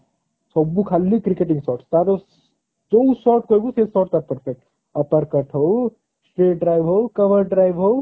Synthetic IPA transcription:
sɔbukʰalːikɾɪkeʈɪ̃ŋɡsɔːɾʈst̪aːɾo | d͡ʒousɔːɾʈ̚koːjɡusesɔːɾʈ̚t̪at̚pəɾfʰek̚ʈ̚ | ɐpəɾkɐʈʰɦoː | sʈɾeːɖɾaːjʋɦoːkɐʋəɾɖɾaːjʋɦo

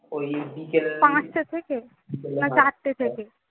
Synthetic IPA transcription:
oibikepãːt͡ʃt̪et̪ʰeke | nɐ̃t͡ʃaːʈt̪et̪ʰeke

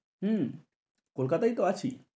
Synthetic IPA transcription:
ɦə̃ | kolkat̪ait̪oat͡ɕʰḭ

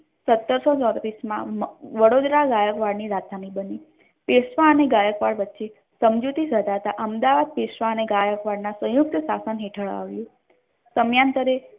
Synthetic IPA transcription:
sət̪ːəɾsot͡ʃɔ̃d̪ɾismã̰ʋəɽod̪ɾaɡajəkʋaɽniɾat̪ʰanibəni | pesʋaəneɡajəkʋaɽʋətːʃe | səmd͡ʒut̪isəd̪ʱat̪aʔəmd̪aʋad̪̚pesʋaəneɡajəkʋaɽnasə̃juk̚t̪sasənɦeʈʰəɭa̰ʋjũ | t̪əmjant̪əɾe

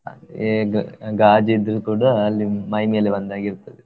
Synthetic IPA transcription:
eɡɡaːd͡ʒɐid̪ːɐɾukuːɽɐːlːimɐjmeːleʋɐnd̪aːɡiɾut̪ːɐd̪e

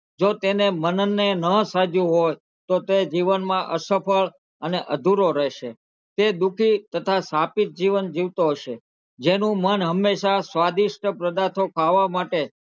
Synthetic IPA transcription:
d͡ʒot̪enemənənːenəsad͡ʒũɦoj | t̪ot̪ed͡ʒiʋənmãʔəsəpʰəɭ | əneʔəd̪ʱuɾoɾɛʃe | t̪ed̪ukʰit̪ət̪ʰasapit̪̚d͡ʒiʋənd͡ʒiʋt̪oɦoʃe | d͡ʒenũmənɦəmːeʃasʋad̪iʃʈəpɾəd̪at̪ʰokʰaʋːamaʈe

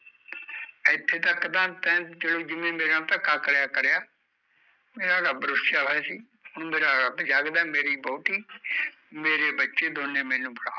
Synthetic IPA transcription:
ɪt̪ʰːeːt̪əkːd̪ãːt̪ɛ̃ːd͡ʒəlõːd͡ʒɪmẽːmeːɾãːt̪əkaːkəɽjaːkəɾjaː | meːɾaːɾəbɾʊsjaːʋɛːsiː | hʊɳ̃meːɾaːɾəbd͡ʒaːɡd̪aɛːmeːɾiːbɔːt̪iː | meːɾeːbətːʃeːd̪oːnẽːmɛ̃ːnũːbʊɽaː

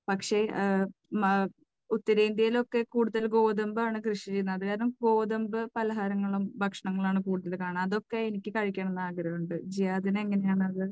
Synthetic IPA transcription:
pɐkʂe̞ | ut̪ːɐɾɐind̪jɐjilo̞kːe̞kuːɽuðɐlɡo̞ːðɐmbɨaːɳɨkrɨʂiɐt͡ɕe̞jːunːɐðɨkaːɾɐnumɡo̞ːðɐmbɨpɐlɐɦaːɾɐŋːɐɭumbʱɐkʂɐɳɐŋːɐɭaːɳɨkuːɽuðɐlkaːɳamɐðo̞kːe̞enikʲːɨkɐɻikʲːaːɳenːaːɡɐɾɐjuɳɖɨd͡ʑijaːðineŋːɐne̞jaːɳɨɐðɨ

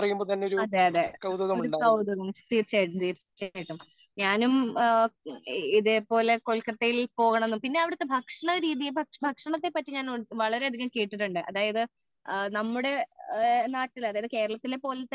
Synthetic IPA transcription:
ɐrɐjumbot̪ɐnːeoɾuɐd̪eːɐðekɐwðɐɣɐmuɾuɳɖkɐwd̪ɐɣɐmt̪iːrt͡ɕːajiʈːumt̪iːr | t͡ɕːajʈːum | ɲaːnum | iðepo̞ːle̞ko̞ɭkɐt̪ːɐjilpo̞ːɣɐɳɐme̞nːumpinːe̞ɐʋiɽɐt̪ːe̞bʱɐkʂɐɳɐɾiːðijebʱɐkʂbʱɐkʂɐɳɐt̪ːe̞pːɐtːiɲaːnʋɐɭɐɾe̞ɐd̪ʱiɣɐmkeːʈːiʈːuɳɖɨʔɐ̰ðaːjɐðɨ | nɐmːuɽe̞ | naːʈːilɐðaːjɐðɨke̞ːɾɐɭɐt̪ːilepo̞ːlɐt̪ːe

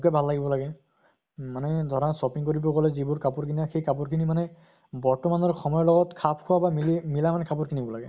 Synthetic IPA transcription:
kɛbʱalːaɡibɔlaɡɛ | manɛd̪ʱɔɹɔnsɔpiŋkoɹibɔɹkɔlɛzibuɹkapʊɹkʰiniaxejkap̬ʊɹkʰinimanɛ | bɔɹtɔmanɔɹxɔmɔjɔlɔɡɔtkʰapʰkʰʊwabamilimilamanɛkʰapʊɹkʰinibɔlaɡɛ

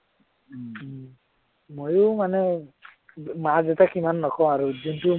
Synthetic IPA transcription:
mojʊmanɛ | mazɛtakimanːɔkʰɔ̃aɹuzintu

